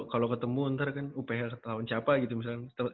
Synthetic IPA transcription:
kalokət̪əmuənt̪ərkanupaɦakət̪lawant͡ʃapaɡit̪umis̬alkant̪ə

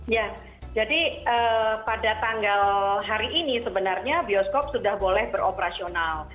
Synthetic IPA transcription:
ja | d͡ʒadiəːpadat̪aŋɡalɦaɾiʔinisəbənarɲabiɔskop̚sudahbolɛhbəɾopəɾasional

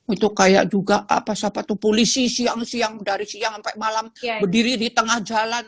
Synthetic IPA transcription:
ut̪ukaja̰ʔ̚d͡ʒuɡaʔa̰pasapat̪upolisisiaŋsiaŋdaɾisiaŋampaʔmalambərdiɾidit̪əŋahd͡ʒalan

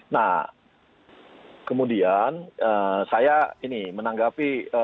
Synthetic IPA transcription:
nah | kəmudianəsajainimənaŋɡapiə

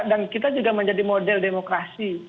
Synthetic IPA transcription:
dankit̪ad͡ʒuɡaməɲd͡ʒadimodɛldemokɾasi

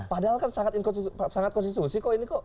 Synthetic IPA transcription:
padaɦalkansaŋat̪inkɔnssaŋat̪̚kɔnsist̪usikɔʔinikɔ

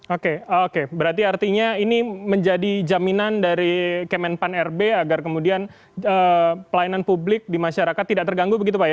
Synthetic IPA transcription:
okekebəɾart̪iart̪iɲainiməɲd͡ʒadid͡ʒaminandaɾikəmɛnpanɛrbeaɡarkəmudian | əpəlajinanpublɪk̚dimaʃaɾakat̪ːidaʔ̚t̪ərɡaŋɡubəɡit̪̬upaja

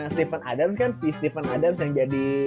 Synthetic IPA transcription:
aŋst̪efana̰damskansɪst̪efanadams̬jaŋd͡ʒadi

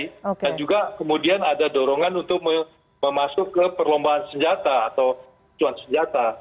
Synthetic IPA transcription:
kand͡ʒuɡakəmudianadadoɾoŋanunt̪ʊk̚mə | məmasʊkːəpərlombaɦansəɲd͡ʒat̪aːt̪aw | t͡ʃuansəɲd͡ʒat̪a

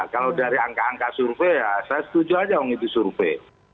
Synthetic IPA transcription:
kalawdaɾiaŋkaːŋkasurfejasajasə̥t̪ud͡ʒuad͡ʒawɔŋit̪usurfe

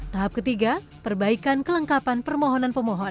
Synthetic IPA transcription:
t̪aɦap̚kət̪iɡa | pərbaikankələŋkapanpərmoɦɔnanpəmɔɦɔ

